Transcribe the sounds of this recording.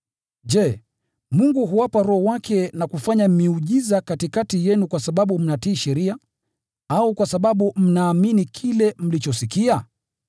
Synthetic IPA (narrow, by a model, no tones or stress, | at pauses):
ʄɛ | muŋɡuɦuwapaɾɔhɔwakʰɛnakufaɲam̩miuʄizakatikatijɛnukwasaɓaɓum̩natiːʃɛɾia | aukwasaɓaɓum̩naːminikʰilɛm̩lit͡ʃɔsikia